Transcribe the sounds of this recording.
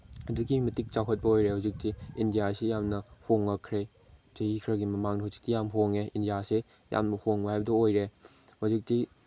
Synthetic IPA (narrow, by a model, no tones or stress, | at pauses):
ɐduɡimɐtik̚t͡ʃawɦʰɐt̚pɐojɾehuzik̚tiindijasejamnɐhoŋːɐkʰːɾe | tɐhikʰɾɐɡimɐmaŋnɐhuzik̚tijamɦoŋeindijase | ja̰mnɐhoŋbɐɦajbɐdɐojɾe | hozik̚ti